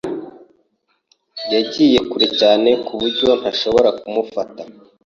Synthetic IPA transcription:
jaɟiːje̞kuɾicaːne̞kʰuβuɾɟo̞n̥haʃo̞βo̞ɾakumufata

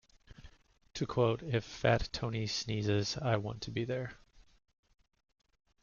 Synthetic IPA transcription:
tʰɨkʰw̥oʊɾɪfætʰõʊ̃nisnizɪzaɪwɑ̃ntʰɨbiðə˞

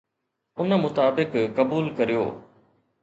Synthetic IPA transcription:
ʊnmʊt̪aːbɪkkɐbuːlkɐɾijo̰ː

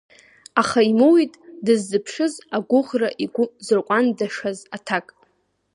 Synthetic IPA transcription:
aχaimowitʼdɨzːɨpʰʂɨzaɡʷʊʁraʔiɡʷʊzɨrqʷʼandaʂazatʰakʼ

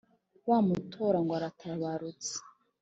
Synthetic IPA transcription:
waːmutʰoɾaŋɡwaɾatʰaβaɾut͡se̥

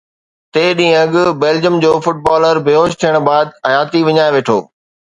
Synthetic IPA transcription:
t̪eːɗĩːə̃ɐɠʊbeːld͡ʑəmd͡ʑoːfʊʈ̚baːləɾbʱeoːʃt̪ʰijəɽ̃baːd̪̚ɐjaːt̪iʋɪɲaːeʋeːʈʰoː

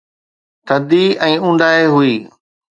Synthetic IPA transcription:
t̪ʰəd̪iɛ̃ːũːnd̪aːeɦʊiː

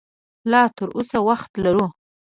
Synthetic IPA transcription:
lɑt̪əɾʔosawaxt̪laɾu

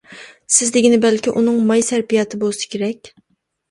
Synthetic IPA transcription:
sɪzd̪ɪɡʲinɪbælkʲiʔunɨŋmɑjsæɾpijɑːt̪ʰɨbolˠsɨ̥kʲʰeɾɛkʲ

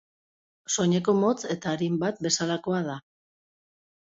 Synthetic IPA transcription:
so̞ɲe̞ko̞mo̞t͡se̞t̪aːɾimbat̪̚be̞salakoað̞a

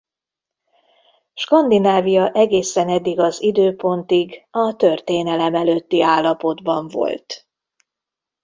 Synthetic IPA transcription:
ʃkɒnd̪inaːvijɒʔɛɡeːsɛnɛd̪ːiɡɒzid̪øːpo̞nt̪iɡɒt̪ø̞rt̪eːnɛlɛmɛløt̪ːiaːlːɒpo̞d̪bɒɱvo̞̰lt̪

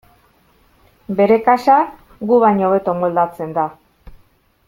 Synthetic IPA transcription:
be̞ɾe̞kaʃa | ɡuβaɲoβe̞t̪omold̪at͡se̞nd̪a

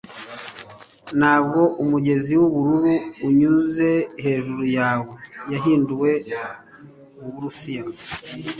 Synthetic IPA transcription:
naːbɡo̞ʔumuɟe̞ziwuβuɾuɾuːɲuze̞he̞ːʒuɾujaːwe̞jaɦiːnduwe̞ | uβuɾusija

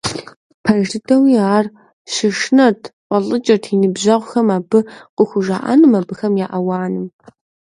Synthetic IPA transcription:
pʰɐʒɪtʰɐwiːaːr | ɕɪʂnɐtʰqʷɔɮʼɨt͡ʃʼɐrtʰinɨbʑɐʁʷʊxɐmaːbɨqəxʷʊʒaːʔa̰nɨmɐbɨxɐmjaːʔɐwɑːnɨm

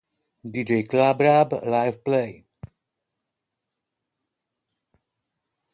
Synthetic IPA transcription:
did͡ʒeklabɾablaɪvpleɪ

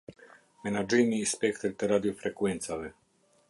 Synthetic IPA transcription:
menad͡ʒinispekt̪eɾt̪ɛɾad̪iofɾekwent̪save

